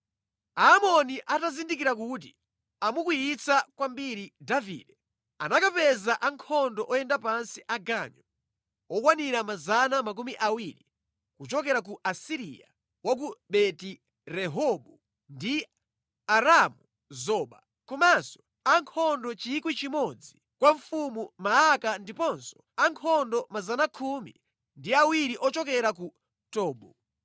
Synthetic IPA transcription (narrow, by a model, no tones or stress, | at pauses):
aːmɔniʔatazindikiɾak̬ut̬i | amukujit͡sakwambiɾidavḭːdɛ | a̰nakapɛzaʔaŋkʰɔndɔʔɔjɛndapansiʔaɡaɲɔ | ɔkwaniɾamazanamak̬umiʔawiɾi | kut͡ʃɔkɛɾak̬uʔasiɾḭja̰ | wak̬uɓɛti | ɾɛɦɔɓu | ndi | aɾamu | zɔːɓa | kɔmasɔ̥ | aŋkʰɔndɔt͡ʃikwit͡ʃimɔd͡zi | kwaɱfumumaakandipɔnsɔ̥ | aŋkʰɔndɔmazanakʰumḭ | ndiawiɾiʔɔt͡ʃɔkɛɾaku | tɔːɓɔ